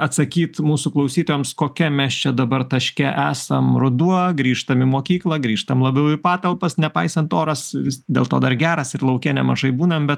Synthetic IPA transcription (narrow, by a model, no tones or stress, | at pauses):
ɐt̪sɐkʲiːt̪muːsuklˠɐʊsʲiːt̪oːjoːmskoːkʲɛmʲɛst͡ʃʲɛd̪ɐbɐrt̪ɐʃʲkʲɛʔæːsɐmɾʊd̪uɔɡɾʲiːʃt̪ɐmɪmoːkʲiːklˠɐɡɾʲiːʃt̪ɐmlˠɐbʲɛʊɪpɑːt̪ɐlˠpɐsnʲɛpɐɪsɐnt̪oːɾɐsʋʲɪsd̪ʲḛːlˠt̪oːd̪ɐrɡʲæːɾɐsɪɾlˠɐʊkʲɛnʲɛmɐʒɐɪbuːnɐmbʲɛt̪